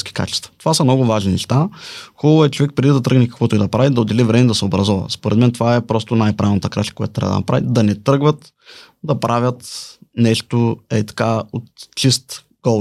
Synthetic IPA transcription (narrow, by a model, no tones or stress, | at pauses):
skʲi̥ka̰t͡ʃɛ̥st̪vɐ̥t̪o̥vasɐmnɔɡʊvaʒninɛʃt̪axɔlˠoɛt͡ʃovɛk̚pɾɛd̪id̪ɐt̪ɾɤəɡnɛkɐ̥kvɔt̪oɛd̪ɐpɾavid̪ɐod̪ɛlivɾɛmɛd̪ɐsɛobɾɐzɔvə̰spoɾɛ̰d̪mɛnt̪ovaɛpɾɔst̪ʊnajpɾavʲnɐt̪əkɾaʃt̪ə̥kojat̪ot̪ːɾa̰və̰d̪̰ɐ̰ɐ̰pɾa̰vḭd̪ɐnɛt̪ɾɤɡvət̪ | d̪ɐpɾavʲət̪nɛʃt̪oɛt̪ɐ̥kaot̪t͡ʃist̪ | ɡɔ